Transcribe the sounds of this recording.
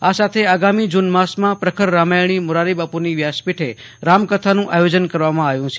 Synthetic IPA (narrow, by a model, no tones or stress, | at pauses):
asat̪ʰeaɡamid͡ʒunmasmãpɾəkʰəɾːamajɳ̃imʊɾaɾibapuniʋjaspiʈʰeɾamkət̪ʰanũʔajod͡ʒənkəɾʋamãaʋjũt͡ʃʰe